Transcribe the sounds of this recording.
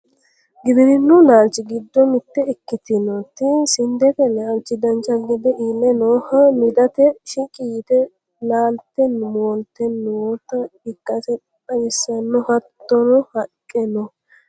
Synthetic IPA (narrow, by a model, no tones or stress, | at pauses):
ɡɪd̪ɪd̪ɪnːʊnaːlt͡ʃːɪɡɪd̪ːɔmɪt̪ːɛɪkːɪt̪ɪnɔt̪ːɪsɪnd̪ɛfɛnaːlt͡ʃːɪd̪ɐnt͡ʃːɐɡɪd̪ɛʔiːlːɛnoːhɐmɪd̪ɐt̪ɛʃɪkʼiːt̪ɛ | laːlt̪ɛnmwɔnt̪ːɛnːwot̪ːɐɪkːɐsɛ | pʼɐjɪsːɐnːɔhɐt̪ːɔnɔhɐkʼːɛnɔ